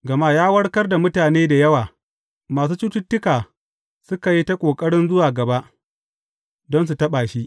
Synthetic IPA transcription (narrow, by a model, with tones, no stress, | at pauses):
ɡɐ˨ma˦jaː˦wɐ˦ɽkɐ˦rda˨mʊ˦taː˨neː˦da˨jɐ˦waː˨ | maː˨s̬uː˦t͡ʃuː˦tʊ˦tːʊ˦kaː˨ | sʊ˦ka˨ji˦ta˦kʷʼoː˨kʼɐ˦ɽɪ˦nzʊ˦waː˨ɡɐ˨ba˦ʔ | dɔ˦ns̬u˨tɐ˦ɓaː˨ʃi˦ʔ